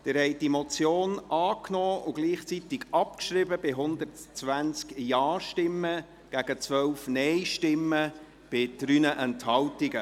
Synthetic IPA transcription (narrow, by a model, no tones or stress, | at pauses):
d̥ɪɾhɛɪd̥imɔt͡sjoːnʔɑːknɔːʊɡ̥liːχt͡sit̪ɪɡɑpkʃɾɪbəb̥ɪɦʊnd̪ərtt͡sʋænt͡skjɑːʃtɪmːə | ɡ̥æɡ̥ət͡sʋœwfnɛɪʃtɪmːə | b̥ɪd̥ɾynəʔɛnthɑwtɪɡə